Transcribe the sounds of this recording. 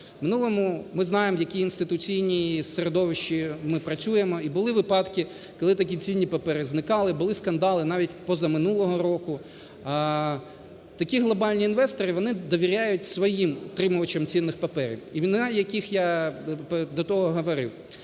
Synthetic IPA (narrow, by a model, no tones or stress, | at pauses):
mɪnulˠɔmʊmɪznɑjemjɐkʲiːnst̪ɪt̪ʊt͡sʲijnʲiːseɾed̪ɔʋɪʃt͡ʃimɪpɾɐt͡sʲujemɔibʊlˠɪʋɪpɑd̪kɪ | kɔlˠɪt̪ɐkʲit͡sʲinʲːipɐpɛɾɪznɪkɑlˠɪbʊlˠɪskɐnd̪ɑlˠɪnɑʋʲitʲpɔzɐmɪnulˠɔɦɔɾɔkʊ | t̪ɐkʲiɦlˠɔbɑlʲnʲiːnʋɛst̪ɔɾɪʋɔnɪd̪ɔʋʲiɾʲajʊtʲsʋɔjimʊt̪ɾɪmʊʋɐt͡ʃɐmt͡sʲinːɪxpɐpɛɾʲḭwinjɐkʲixja | d̪ɔt̪ɔɦɔɦɔʋɔɾɪ̰w